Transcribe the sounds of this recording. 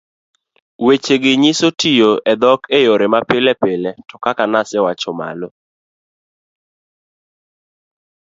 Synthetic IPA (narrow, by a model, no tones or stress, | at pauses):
wet͡ʃeɡɪɲɪsotijoɛd̪ɔkejoɾemapɪlɛpeletɔkakanasɛwat͡ʃɔma̰lo